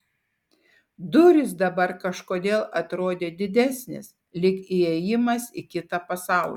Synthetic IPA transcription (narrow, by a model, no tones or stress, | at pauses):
d̪ʊɾʲɪs̬d̪ɐbɐɾkɐʃkoːd̪ʲeːlˠɐt̪ɾoːd̪ʲeːd̪ʲɪd̪ʲæsʲnʲɪ̰s | lʲɪkiɛjɪmɐsikʲɪt̪ɐpɐsɑˑʊlʲ